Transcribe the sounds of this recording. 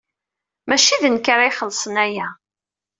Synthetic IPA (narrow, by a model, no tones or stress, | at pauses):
mæʃiðənkɾajχəlːsˤənæjæ